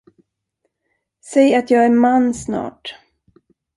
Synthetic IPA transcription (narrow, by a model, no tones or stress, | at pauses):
sɛjat̪jɑːɡæɾmanːsnɑ̰ːʈ